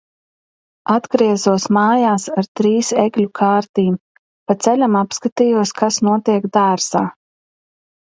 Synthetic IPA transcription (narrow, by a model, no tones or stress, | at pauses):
ad̪ɡɾiɛzuɔsmaːjaːsaɾt̪ɾiːseɡlʲukʰaːɾt̪iːm | pat̪sɛlʲamapskat̪iːjuɔskʰasnuɔt̪iɛɡd̪aːɾsaː